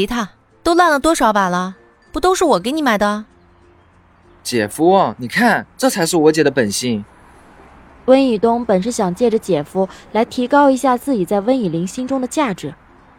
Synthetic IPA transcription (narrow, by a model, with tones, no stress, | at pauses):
t̪ʰa˥˩ | t̪o˥ʊla˥˩nlə˩t̪wɔ˥ʂɑ˨˧˥ʊpa˨˩lə˦ | pu˧˥t̪o˥ʊʂɻ̩˥˩wɔ˨˩k̬e˧˥ɪni˧˥ma˨˩ɪd̪ə˧ | t͡ɕjɛ˨˩fu˥ɔ˧˩ni˨˩kʰa˥˩nʈ͡ʂɤ˥˩t͡sʰa˧˥ɪʂɻ̩˥˩wɔ˧˥t͡ɕjɛ˨˩d̪ə˦pə˨˩nɕi˥˩ŋ | wə˥ni˨˩t̪ʊ˥ŋpə˨˩nʂ̬̩˥˩ɕjɑ˨˩ŋt͡ɕjɛ˥˩ʈ͡ʂə˩t͡ɕjɛ˨˩fu˥la˧˥ɪt̪ʰi˧˥kɑ˥ʊi˧˥ɕja˥˧t͡sɹ̩˥˩t͡ɕi˨˩t͡sa˥˩ɪwə˥ni˨˩li˧˥ŋɕi˥nʈ͡ʂʊ˥ŋd̪ə˨t͡ɕja˥˩ʈ͡ʂɻ̩˧˩˦